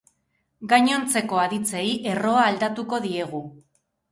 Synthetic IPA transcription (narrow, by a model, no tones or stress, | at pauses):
ɡaɲo̞nt͡se̞ko̞aðit͡se̞jʔe̞ro̞aːld̪at̪uko̞ðie̞ɣ̞u